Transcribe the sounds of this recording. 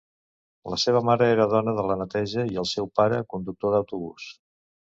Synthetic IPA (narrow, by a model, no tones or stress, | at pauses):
ləseβ̞əmaɾəeɾəðɔnəðələnət̪ɛʒəiəlˠsɛwpaɾəkund̪uk̚t̪oðəwt̪uβus